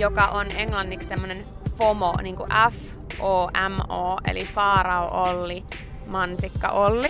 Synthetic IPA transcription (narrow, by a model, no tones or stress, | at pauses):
jokɑʔoneŋlɑnːikssemːonen | fomoniːŋkuʔæf | ʔoːʔæmoːḛlifɑːɾɑoʔolːi | mɑnsikːɑ̰ʔolːi